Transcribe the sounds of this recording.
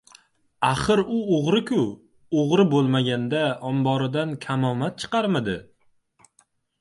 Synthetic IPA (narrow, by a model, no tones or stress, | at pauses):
aχɨɾʊoʁɾɪkʲʰʊ | oʁɾɪbolˠmaɡʲand̪aɒmbɒɾɪd̪ankʲʰamɒmat̪̚t͡ʃʰɨ̥qʰɑɾmad̪ɪ